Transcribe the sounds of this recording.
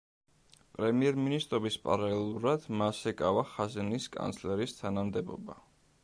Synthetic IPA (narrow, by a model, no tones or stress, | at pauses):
pʼɾɛmiɛɾminist̪ʼɾɔbispʼa̰ɾalɛlˠuɾad̪̥masɛkʼavaχazɛniskʼa̰nsʰlɛɾist̪ʰanamd̪ɛbɔ̰ba